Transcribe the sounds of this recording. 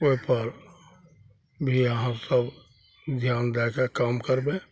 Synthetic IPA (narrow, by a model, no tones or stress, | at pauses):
oipəɾ | bʱiəɦãsəb | d͡ʒʱjaːnd̪ɛːkakaːmkəɾbẽ